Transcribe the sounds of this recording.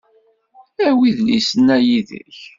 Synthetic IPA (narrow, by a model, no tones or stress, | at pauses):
æwiðlḭsənːæjiðə̰ç